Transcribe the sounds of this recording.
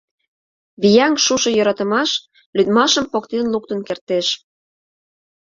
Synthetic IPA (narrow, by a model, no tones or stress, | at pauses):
βijɑŋʃuʃɤ̆jɤɾɑt̪ə̆mɑʃ | lyd̪mɑʃəmpokt̪enluk̚t̪ənkert̪eʃ